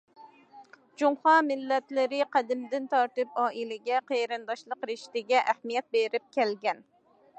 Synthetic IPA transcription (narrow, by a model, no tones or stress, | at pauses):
d͡ʒumχɑmɪlːɛt̪lɪɾɪqʰæd̪ɪmd̪ɪnt̪ʰɑɾt̪ɨpɑːʔilɪɡʲɛqʰeɾɨnd̪ɑʃlˠəqɾɪʃt̪ɪɡʲɛʔæhmijɛt̪̚beɾɪp̚kʲʰɛlɡʲɛn